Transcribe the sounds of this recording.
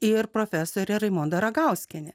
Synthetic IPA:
ɪɾpɾoːfʲæsoːɾʲɛɾɐɪmoːnd̪ɐɾɐɡɐˑʊsʲkʲɪnʲɛ

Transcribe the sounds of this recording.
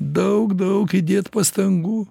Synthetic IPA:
d̪ɐwkd̪ɐwkʰid̪ʲet̪pɐst̪ɐŋɡu

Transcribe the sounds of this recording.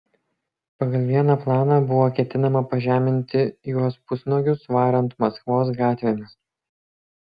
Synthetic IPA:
pɐɡɐlʲˠʋʲiɛnɑplˠɑːnɑbʊʋoːkʲɛt̪ʲɪnɐmɐpɐʒʲæːmʲɪnʲt̪ʲɪjuɔspʊsnoːɡʲʊsʋɑːɾɛnt̪mɐskʋoːs̬ɡɑːt̪ʲʋʲɛnʲɪs

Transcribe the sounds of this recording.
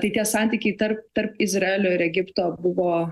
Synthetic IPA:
t̪ɐɪt̪ʲiɛsɑˑnʲt̪ʲiːkʲɛɪt̪ɐɾp̚t̪ɐɾpɪzrɐeːlʲoːɪɾɛɡʲɪpt̪oːbʊʋoː

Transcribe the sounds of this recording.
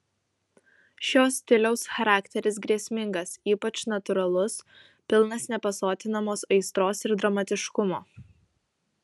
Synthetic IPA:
ʃʲoːsʲt̪ʲɪlʲɛʊsxɐɾɑːkt̪ʲɛɾʲɪs̬ɡɾʲiɛsʲmʲɪŋɡɐsiːpɐt͡ʃnɐt̪ʊɾɐlˠʊs | pʲɪlˠnɐsnʲɛpɐsoːt̪ʲɪnɐmoːsɐɪst̪ɾoːsɪɾd̪ɾɐmɐt̪ʲɪʃkʊmoː

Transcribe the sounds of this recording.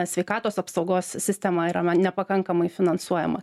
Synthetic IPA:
sʲʋʲɛɪkɑːt̪oːsɐpsɒʊɡoːssʲɪsʲt̪ʲɛmɐiːɾɐmɐnʲɛpɐkɐŋkɐmɐɪfʲɪnɐnsuɔjɛ̰mɐ̰

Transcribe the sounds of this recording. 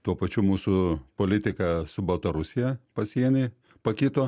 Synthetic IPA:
t̪uɔpɐt͡ʃʲumuːsʊpoːlʲɪt̪ʲɪkɐsʊbɐlˠt̪ɐɾʊsʲɪjɛpɐsʲiɛnʲɛɪ | pɐkʲɪt̪oː

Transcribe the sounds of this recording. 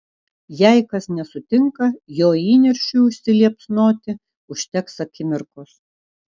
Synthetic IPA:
jæɪkɐsnʲɛsʊt̪ʲɪŋkɐjoːiːnʲɛɾʲʃʲuʊʃʲsʲɪlʲiɛpʲsnoːt̪ʲɪ | ʊʃʲt̪ʲɛksɐkʲɪmʲɪɾkos

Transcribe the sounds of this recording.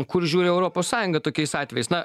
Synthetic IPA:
kʊɾʒʲuːɾʲɪɛʊɾoːpoːssɑːjʊŋɡɐt̪oːkʲɛɪsɑːt̪ʲʋʲɛjɛɪsnɐ

